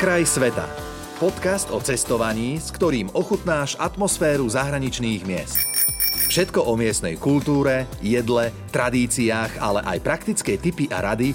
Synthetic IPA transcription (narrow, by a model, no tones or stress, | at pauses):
kɾajsʋɛt̪a̰ | pɔt̪kast̪ɔt͡sɛst̪ɔʋaɲiːskt̪ɔɾiːmɔxut̪naːʃat̪mɔsfɛːɾuzaɦɾaɲit͡ʃniːɣmɪɛ̰st̪ | fʃɛt̪kɔʔɔmɪɛst̪nɛ̰jkult̪uːɾɛjɛd̪lɛt̪ɾad̪iːt͡siaːxa̰lɛʔa̰jpɾakt̪it͡skɛjt̪ipiʔa̰ɾad̪i